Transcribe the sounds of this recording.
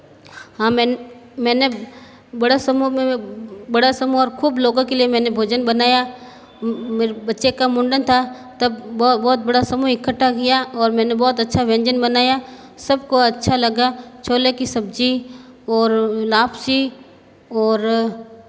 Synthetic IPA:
hãːmɛ̃ːnmɛ̃ːne | bɐɽasɐmumẽbɐɽasɐmuɔːɾkʰuːbloːɡõkeliemɛ̃ːnebʱoːd͡ʒənbɐnaːja | meːɾebɐtːʃekamʊ̃ɳɖənt̪ʰa | t̪ɐbɔːbɔːt̪̚bɐɽasɐmuɪkːəʈʰːakɪjaɔːɾmɛ̃ːnebɔːt̪ɐtːʃʰaʋɛ̃ːɲd͡ʒənbɐnaːja | sɐb̚koɐtːʃʰalɐɡat͡ʃʰoːlekisɐb̚d͡ʒi | ɔːɾlaːpʰsi | ɔːɾ

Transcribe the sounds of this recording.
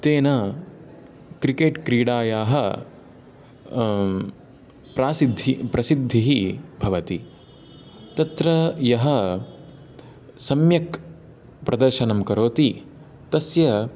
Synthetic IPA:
t̪eːnɐ | kɾikeːʈkɾiːɽaːjaːɦɐ | pɾaːsid̪ʱːipɾɐsid̪ʱːiɦibʱɐʋɐt̪i | t̪ɐt̪ɾɐjɐɦɐ | sɐmjɐk | pɾʔɐd̪ɐɾʃɐnɐmkɐɾoːt̪i | t̪ɐsjɐ

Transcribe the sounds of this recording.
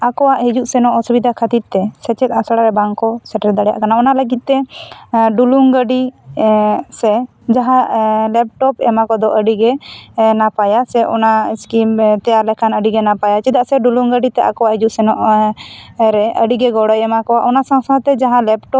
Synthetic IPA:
akɔwaʔɦid͡ʒuʔsɛnɔʔɔsubid̪ʱakʰət̪it̪̚t̪ɛsɛt͡ʃɛt̪asaɽaɾɛbaŋkɔsɛʈɾɛd̪aɽɛja̰ʔkanaɔnaləɡit̪̚ˀt̪ɛ | ɖuluŋɡəɖi | sɛ | d͡ʒaɦãlɛp̚ʈɔpɛmakɔd̪ɔʔəɖiɡɛnapajasɛʔɔ̰naskimt̪ɛjaɾlɛkʰanəɖiɡɛnapajat͡ʃid̪aʔsɛɖuluŋɡəɖit̪ɛakɔwaʔɦid͡ʒuʔsɛnɔʔ | ɾɛʔəɖiɡɛɡɔɽɔjɛmakɔwaʔɔnasãsãt̪ɛd͡ʒaɦãlɛpʈɔp̚

